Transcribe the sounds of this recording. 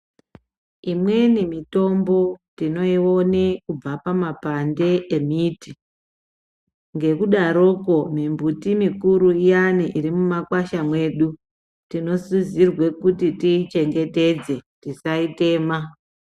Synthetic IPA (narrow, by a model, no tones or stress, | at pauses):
imwe̞nimito̞mbo̞tino̞io̞nekub͡vapamapande̞ʔemiti | ŋɡe̞kuɗaɾoko̞mimbutimikuɾuijaniʔiɾimumakwaʃamwe̞ːɗu | tino̞suzirwe̞kutitiːt͡ʃe̞ŋɡe̞te̞d͡ze̞tisaite̞ːma